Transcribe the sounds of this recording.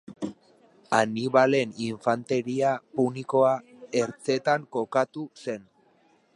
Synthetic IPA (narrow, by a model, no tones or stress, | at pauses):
aniβale̞niɱfant̪e̞ɾiapuniko̞ae̞ɾt͡se̞t̪aŋko̞kat̪use̞n